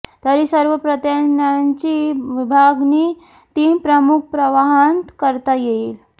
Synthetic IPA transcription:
t̪əɾisəɾʋəpɾət̪jənaɲt͡ɕiʋibʱaɡni | t̪iːnpɾəmuk̚ʰpɾəʋaɦant̪kəɾt̪ajeil

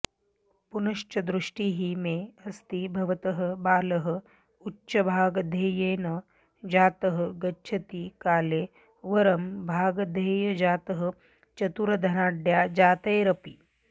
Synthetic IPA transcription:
punɐʂt͡ʃɐd̪ɾuʂʈiɦimeɐst̪ibʱɐʋɐt̪ɐɦə̆baːlɐɦə̆ | utːʃɐbʱaːɡd̪ʱeːjeːnɐ | d͡ʒaːt̪ɐɦə̆ɡɐːt͡ʃʰɐt̪iːkaːleː | ʋɐɾɐmbʱaːɡd̪ʱeːjɐd͡ʒaːt̪əɦə | t͡ʃɐt̪uɾɐd̪ʱɐnaːɖjaːd͡ʒaːt̪ɐjɾɐpiː

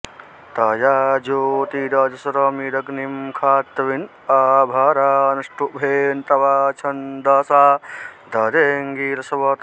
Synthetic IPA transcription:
t̪ɐːjaːd͡ʒoːt̪iːɾaːd͡ʒɐsɐɾɐːmiɾɐɡnimkʰaːt̪ːɐʋin | aːbʱaːɾaːɐnɐʂʈuʔbʱeːnt̪ɐʋaːt͡ʃʰɐnd̪ɐːsaːd̪ɐːɾeːŋɡiːɾɐsɐʋɐt̪

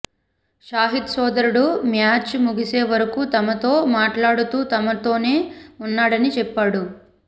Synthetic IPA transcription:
ʃaːɦit̪sɔːd̪ɐɾuɽumjaːt͡ʃmuɡise̞ːʋɐɾɐkut̪ɐmɐt̪o̞ːmaːʈlaːɽut̪uːt̪ɐmɐt̪o̞ːne̞ːunːaːɽɐnit͡ʃɛpːaːɽu

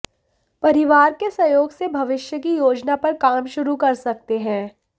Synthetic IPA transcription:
pɐɾɪʋaːɾkesɐjoːɡsebʱɐʋɪʃjək̬ijoːd͡ʒnapɐɾkaːmʃʊɾukɐɾsɐk̚t̪eɦɛ̃ː

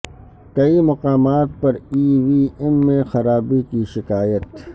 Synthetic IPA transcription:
kɐimɐqaːmaːt̪̚pɐɾiːʋiːɛmːẽxɐɾaːbikiʃɪkaːjət̪

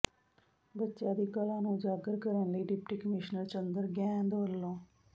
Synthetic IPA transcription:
bətːʃãːd̪iːkəlãːnũːd͡ʒaːɡəɾkəɾənləiːɖɪpʈiːkəmɪʃnəɾt͡ʃənd̪əɾɡɛ̃ːnd̪ʋəlːõː

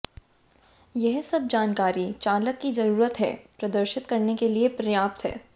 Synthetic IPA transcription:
jɛɦsɐb̚d͡ʒaːnkaːɾit͡ʃaːləkːizɐɾuːɾət̪ɦɛ̰ːpɾɐd̪əɾʃɪt̪kɐɾnekeliepɾɐjaːpt̪ɦɛ̰ː

